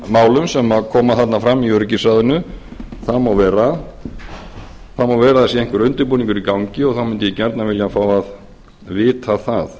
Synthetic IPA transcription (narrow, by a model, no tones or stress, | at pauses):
maːwlʏmsɛmːaðkʰɔːmaθat̪nafɾamːiœɾcɪsaðʏnʏθaðmawvɛːɾa | θamawvɛːɾaðɛsjɛeŋ̥kvʏɾʏnt̪ʏɾpuːniŋkʏɾikawɲcɪɔɣθamʏnt̪ɪjɛcɛɾt̪navɪljafaːwað | vɪːt̪ʰaθaθ